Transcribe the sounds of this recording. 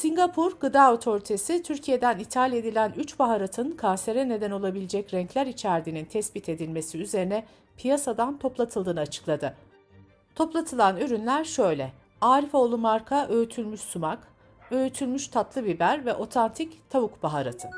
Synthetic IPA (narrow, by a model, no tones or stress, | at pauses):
siɲɡapʰuɾɡɯd̪aːo̞t̪ʰo̞ɾit̪ʰe̞sit̪ʰyɾcʰije̞d̪ænit̪ʰalʲe̞d̪ilʲænyt͡ʃbaɦaɾat̪ʰɯnkʰanse̞ɾɛne̞d̪æno̞lˠabilʲed͡ʒɛcɾɛɲclʲæɾit͡ʃʰæɾd̪inint̪ʰɛsbit̪ʰe̞d̪ilʲme̞siyze̞ɾinɛ | pʰijasad̪ant̪ʰo̞plˠat̪ʰɯlˠd̪ɯːnɯat͡ʃʰɯ̥klˠad̪ɯ | t̪ʰo̞plˠat̪ʰɯlˠanøɾynlʲæɾʃø̞jlʲɛ | aːɾifo̞lˠumaɾkʰaʔøyt̪ʰylʲmyʃsumak | øjyt̪ʰylʲmyʃt̪ʰat̪lˠɯbibæɾvɛʔo̞t̪ʰant̪ʰict̪ʰaβukbaɦaɾat̪ʰɯ